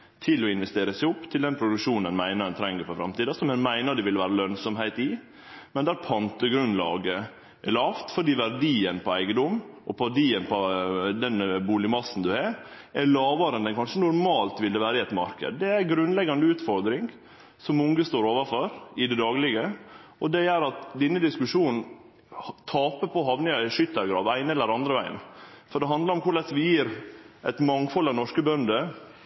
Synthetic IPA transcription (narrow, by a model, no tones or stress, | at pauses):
t̪ʰɪlɔɪnʋɛst̪eːɾəsæɪʊpːt̪ʰɪld̪ɛnpʰɾʊd̪ʉkʂuːnn̩ənmæɪnəɾdɛnt̪ʰɾɛŋːəɾfɔfɾɑ̰mt̪iːd̪ɑsɔmɛnmæɪnəɾɖ̪ɛʋɪlʋæːɾəlœnsɔmhæɪt̪ɪ | mɛnd̪æːɾpʰɑnt̪əɡɾʉnlɑ̰ːɡə | ʔɛɭɑːʋt̪fɔɖiːʋæɾɖiːənpʰɔæɪɡəd̪ɔmɔpʰɔɖiːənpʰɔd̪ɛnbuːlɪmɑsn̩d̪ʉɛɾ | ɛɾlɑːʋɑɾənd̪əɛnkʰɑnʂənʊɾmɑːlt̪ʋɪld̪əʋæːɾəɪɛt̪mɑ̰ɾkə̰d̪ːɛæɾɡɾʉnlɛɡɑnd̪əʉːt̪fɔɾd̪ɾɪŋ | sɔmʊŋɡəst̪oːɾoːʋɑɾfɔɾɪd̪ɛd̪ɑːɡlɪɡəɔd̪ɛjæɾɑt̪d̪ɪnːəd̪ɪskʉʂuːnn̩ | t̪ʰɑːpəpʰɔɦɑʋnɪŋæʂʏt̪ːəɾɡɾɑ̰ːʋæɪnɛlːəɾɑnd̪ɾəʋæɪə̰nfɔɖ̪ɛɦɑnd̪lɑɾɔmkʊɭɛsʋɪjiːɾʔæt̪mɑŋfɔlɑnɔʂkəbœnd̪ə